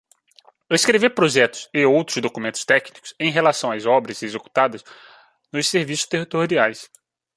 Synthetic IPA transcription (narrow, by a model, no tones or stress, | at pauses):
wiskɾevepɾoʒɛt̪ʊ̥sɪowt̪ɾʊzd̪okumẽnt̪ʊ̥st̪ɛknikʊ̥sẽj̃ɦelasɐ̃w̃ɐzɔbɾɐzezeku̥t̪ad̪ɐz | nʊsseɾvisʊ̥ʃt̪eɦit̪oɾiajs